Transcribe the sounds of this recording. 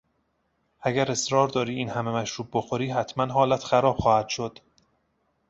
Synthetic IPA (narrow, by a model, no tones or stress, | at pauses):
ʔæɡæɾe̞sɾɒːɾd̪ɒːɾiːiːnhæme̞mæʃɾuːb̚boxo̞ɾiːɦæt̪ʰmænɦɒːlæt̪ʰxæɾɒːb̥xɒːhæd̪̥ʃod̪̥